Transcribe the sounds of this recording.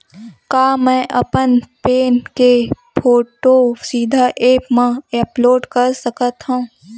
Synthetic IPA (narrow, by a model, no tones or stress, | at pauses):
kaːmɛ̃ːʔɐpənpeːnkepʰoːʈosiːd̪ʱaʔeːpmãeːploːɖkəɾsəkət̪ɦũː